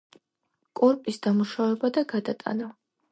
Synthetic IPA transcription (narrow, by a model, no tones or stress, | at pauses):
kʼɔɾpʼisd̪amuʃavɛbad̪aɡad̪at̪ʼa̰na